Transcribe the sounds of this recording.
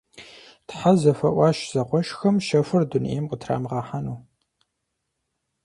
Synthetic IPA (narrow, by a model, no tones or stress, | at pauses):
tħazɐfɐʔʷɑːʃz̥ɐqʷɔʃxɐmʃɐfɨrdunḛːmqətʰra̰ːmʁɑːħanuː